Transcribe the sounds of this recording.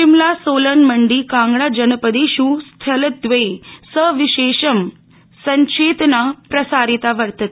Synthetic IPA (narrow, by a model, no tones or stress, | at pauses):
ʃimlasolənməɳɖiːkãŋɡɽad͡ʑənəpəd̪eɕust̪ʰələd̪ʋesəʋiɕeɕəm | səɲt͡ɕeːt̪napɾəsaɾit̪aʋəɾt̪ət̪